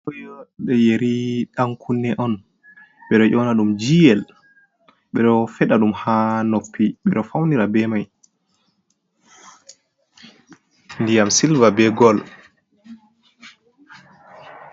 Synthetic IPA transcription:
kɔjɔɓɛjeɾiɗaŋkʰunːɛʔɔn | ɓɛɗɔʔɔnaɗumd͡ʒijɛl | ɓɛɗɔfɛɗaɗumhanopʰːiɓɛɗɔfawniɾabɛmaj | ndijamsilvabɛɡɔl

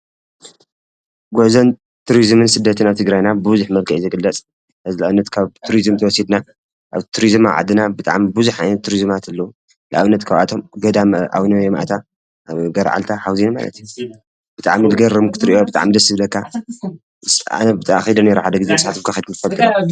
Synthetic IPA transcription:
ɡozɐn | t̪ʰuɾizmɨnsɨd̪ːɐt̪ʰɨnaβt̪ʰɨɡɾajnabɨuzuħmɐlkʰɐʔzɨɡɨlːɐt͡sʼ | ʔazɨlaʔaβɨnːɐt̪kʰaβt̪ʰuɾizɨmt̪ʰɐwɔsid̪na | ʔaβt̪ʰuɾizmaʕa̰d̪ɨnabɨt̪ʼa̰ʕmibuzuħajnɐt̪ʰːuɾizmat̪ʰɨlːɐu | lɨʔa̰βɨnːɐt̪kʰaβa̰t̪ʰo̞mɡɐd̪amʔa̰wnɐjomʔa̰t̪ʰa | ɡɐɾʕa̰lt̪ʰaħawzinma̰lɐ̰t̪ju | b̥ɨt̪ʼa̰ʕmilɡɐɾɐmukʰɨ̥t̪ɨɾiʔobɨt̪ʼa̰ʕmid̪ɐsɨβɨlɐkʰːa | sa̰nɐbɨt̪ʼxid̪ɐneɾɐħad̪ɐɡɨzemsʼħat̪omkʰaxid̪kɨt̪ɨfɐlt̪ʰɨɐ

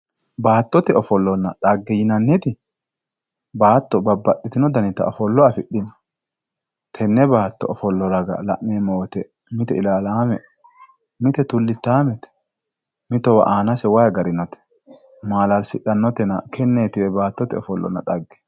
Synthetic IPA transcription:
baːt̪ːɔt̪ɛɔfɔlːɔnːɐᶑɐɡːɛjɪnɐnːɪt̪ɪ | baːt̪ːɔbɐbːɐɗːɪt̪ɪnɔd̪ɐnɪt̪ːɐ̰ɔfɔlːɔɐfɪɗːɪnɐ | t̪ʰɛnːɛbaːt̪ːɔ̰ɔfɔlːɔɾɐɡɐ̰lɐ̰ʔmeːmoːt̪ɛ | mɪt̪ɛɪlaːlaːmɛ | mɪt̪ɛt̪ʊlːɪt̪ːaːmɛt̪ɛ̥ | mɪt̪ːɔwɐ̰ʔaːnɐsɛwajɐɡɐɾɪnɔt̪ɛ̥ | maːlɐlsɪɗɐnːɔt̪ɛnɐkʰɛnːeːt̪ɪwɛbaːt̪ːɔt̪ɛɔfɔlːɔ̰nːɐ̰ᶑɐɡːɛ̥

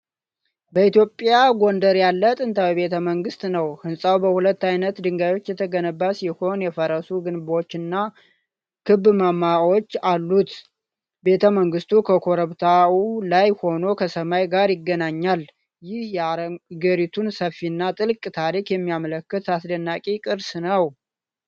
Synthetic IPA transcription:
bəit̪jo̞pʼjaɡo̞nd̪əɾjalːət̪ʼɨnt̪ʰawjɛβe̞t̪ʰəməŋɡɨst̪nəwhɨnsʼawbəhulət̪ːajnət̪d̪ɨŋɡajo̞t͡ʃːjɛt̪ʰəɡənəbːasɪho̞njɛfəɾəsuɡɨnbo̞t͡ʃːɨnːa | kʰɨbːɨmamːao̞t͡ʃːalːut̪ | be̞t̪ʰəməŋɡɨst̪ukʰəkʰo̞ɾəβt̪ʰaulajho̞no̞kʰəsəmajɡaɾjɪɡːənaɲːal | jɪhjaɾəɡəɾit̪ʰunsəfːinːat̪ʼɨlkʼt̪ʰaɾikjɛmːijamələkːɨt̪asd̪ənːakʼikʼɨɾsnəw

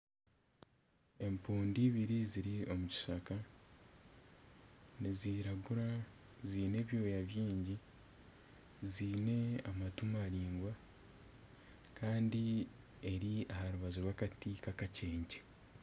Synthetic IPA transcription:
e̞mpuːndiβiɾiziɾio̞muci̥ʃaka | niziːɾaɡuɾa | ziːne̞ːβjo̞ːjaβjiːɲɟi | ziːne̞amatumaɾiːŋɡwa | kʰaːndi | e̞ɾiahaɾuβaziɾwaːkatikakace̞ːɲce̥

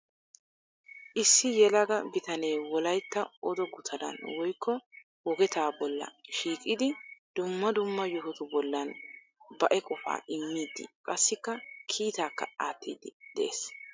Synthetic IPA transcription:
ʔɪsːɪjɛlɐɡɐbɪt̪ɐneːwɔlɐjt̪ːɐɔd̪ɔɡʊt̪ʰɐd̪ɐ̰nwɔjkʰːɔ | wɔɡɛt̪aːbɔlːɐ̰ʃiːkʼɪd̪ɪd̪̥ʊmːɐd̪ʊmːɐjɔɦɔt̪ʊbɔlːɐn | bɐʔɛkʼɔfa̰ːɪmːiːd̪ːɪ̰kʼɐsːɪkːɐkʰiːt̪aːkːɐ̰aːt̪ːḭːd̪ɪd̪̥ɛʔḛːs

